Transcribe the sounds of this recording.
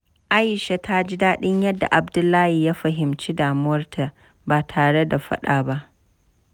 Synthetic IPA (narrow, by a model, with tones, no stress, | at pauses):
ʔa˦jɪ˨ʃe˨tʰa˦d͡ʒi˦daː˦ɗɪ˦ɲjɐ˦dːa̰˨ʔa˨bdʊ˦lːaː˦hi˨jaː˦ɸɐ˨ɦɪ˨mt͡ʃi˦daː˨mʊ˦wɐ˦rtʰa˨ | baː˨tʰaː˨ɽe˦da˨ɸɐ̰˦ɗaː˨ba˦ʔ